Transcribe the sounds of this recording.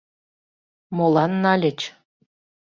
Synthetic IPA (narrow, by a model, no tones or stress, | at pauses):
molɑnːɑlʲĕt͡ɕ